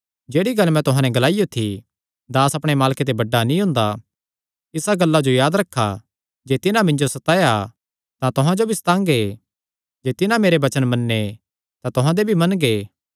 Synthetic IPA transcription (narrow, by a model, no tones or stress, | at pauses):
d͡ʒeːɽiɡɐlmɛ̃t̪ʊɦãnɛ̃ɡɐlaːɪjot̪ʰi | d̪aːsɐpɽ̃emaːlket̪̬ebɐɖːanĩɦʊ̃ːnd̪a | ɪsaɡɐlːad͡ʒojaːd̪ɾɐkʰːa̰ | d͡ʒeːt̪ɪnãmɪ̃ɲd͡ʒosɐt̪aːja | t̪ãt̪ʊɦãd͡ʒobʱist̪ãːŋɡe | d͡ʒeːt̪ɪnãmeːɾebɐt͡ʃənmɐnːe | t̪ãt̪ʊɦãd̪ebʱimɐnɡeː